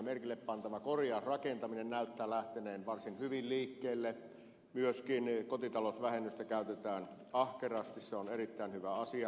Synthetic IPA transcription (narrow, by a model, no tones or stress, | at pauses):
merkilːeppɑnt̪ɑʋɑkorjɑsrɑkent̪ɑminennæˑyt̪ːæːlæht̪eneːnʋɑrsinhyʋilliːkːeˑːlːe | myøskinkot̪it̪ɑlosʋæhenːyst̪ækæˑyt̪et̪æːn | ɑhkerɑːst̪isseonerit̪ːæˑenhyʋæɑsiɑ